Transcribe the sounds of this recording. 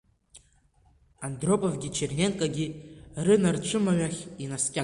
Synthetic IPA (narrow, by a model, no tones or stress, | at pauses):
andro̞pʼavɡʲit͡ʃʰernʲe̞nkʼaɡʲirɨnart͡ʃʷʰɨmaɥaχʲinaskʲʼa